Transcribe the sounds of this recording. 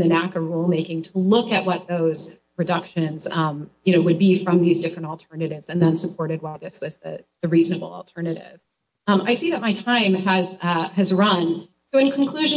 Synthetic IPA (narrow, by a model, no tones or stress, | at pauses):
nɨ̃nækə˞ɹulˠmeɪkɪ̃ŋtʰəlʊkɨʔ̚wʌt̪̚ðoʊz̥ | ɹɨdʌkʃɨ̃nz̥ʌ̃mjɨnoʊwɨd̚bifɹʌ̃mðizdɪfɹɨ̃ntl̩ˠtʰɜ˞nɨɾɪvz̥ɨ̃nðɨ̃nsəpʰɔɹɾɨd̚waɪðɪswʌzðɨ̰ðɨɹiznɨbl̩̰ˠl̩ˠtʰɜ˞nɨɾɪ̰v̥ | ʌ̃mʔaɪsiðɨt̚maɪtʰãɪ̃mɨz̥ʌɨzɹʌ̃n | soʊɨ̃nkʰn̩kʰl̥ʉʒ̃